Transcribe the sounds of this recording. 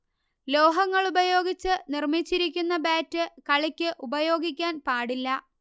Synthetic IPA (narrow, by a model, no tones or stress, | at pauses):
lo̞ːɦɐŋːɐɭubɐjo̞ːɡit͡ɕːɨnirmit͡ɕːiɾik̬ʲːunːɐbaːtːɨkɐɭikʲːɨʔubɐjo̞ːɡikʲːaːnpaːɽilːɐ